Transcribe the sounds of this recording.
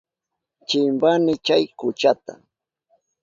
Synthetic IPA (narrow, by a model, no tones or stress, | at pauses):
t͡ʃɪmbanɪt͡ʃajkʊt͡ʃat̪a